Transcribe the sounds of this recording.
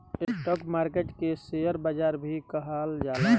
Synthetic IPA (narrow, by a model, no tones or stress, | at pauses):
esʈəkmaːɾkeʈkesejəɾbaːd͡ʒaːɾbʱikəɦald͡ʒaːle